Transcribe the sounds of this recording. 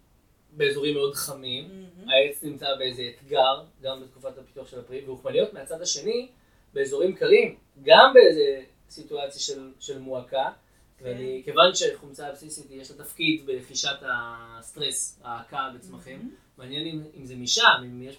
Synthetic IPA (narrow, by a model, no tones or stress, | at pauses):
be̞ːzo̞ʁimlod̪χamimaet͡snimt͡sabe̞ezeːt̪ɡaʁɡambet̪̚ku̥fatapi̥t̪uaχʃe̞lapʁiveuχmanijo̞t̪meat͡sad̪aʃe̞ni | be̞ːzo̞ʁimkalim | ɡambeejze | situat͡sjaʃelʃe̞lmuaka | veanike̞vanʃeχomt͡saab̥sisit̪jeʃlat̪afkid̪beleχiʃatast̪ʁesaːkabet͡smaχimː | eanjenimimzemiʃamimjeʃ